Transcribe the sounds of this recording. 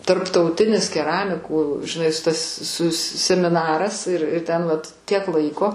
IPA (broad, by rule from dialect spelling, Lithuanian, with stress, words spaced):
tɐrptɐʊˈtʲɪnʲɪs kʲɛˈrɑːmʲɪkuː ʒʲɪˈnɐɪ s tɐs sʊs sʲɛmʲɪˈnɑːrɐs ɪr ɪ ˈtʲɛn ʋɐt ˈtʲiɛk ˈlˠɐɪkoː